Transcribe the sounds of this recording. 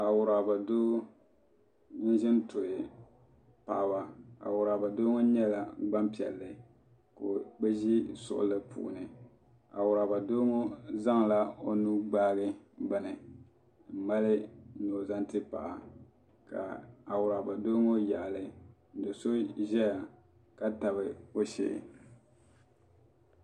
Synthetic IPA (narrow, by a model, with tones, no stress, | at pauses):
a˨wʊ˨ɾa˨ba˨doː˦ | ni˦n˦ʒɪ˦ntʊ˨ɪ˨ | pa˨ba˨a̰˨wʊ˨ɾa˨ba˨do˦ŋo˦ɲɛ˦la˨ɡ͡ba˦mpi˨ɛ̰˨lːɨ˨ | ko˨bɛ˦ʒi˦sʊ̰˨ʔʊ̰˨lɨ˦pʰṵ˨ʔnɨ˨ | a̰˨wʊ˨ɾa˨ba˨doː˦ŋo˦za˦ŋla˦o˦nu˦ɡ͡baː˦ɣɨ˦ɡ͡ba˦nɨ˨ | m̩˨ma˦lɪ˦no˨za˦ntɨ˦pa̰˨ʔa˨ | ka̰˨a˨wʊ˨ɾa˨ba˨do˦ŋo˦ja˨lɨ˨ | n̩˦do˨so˦ʒɛ˦ja˨ | ka˦ta˨βɨ˨o˦ʃɪ̰˨